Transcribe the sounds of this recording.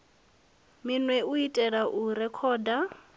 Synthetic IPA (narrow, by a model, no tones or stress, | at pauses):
minwɛuitʼɛɺaʔuɾɛkʰɔːda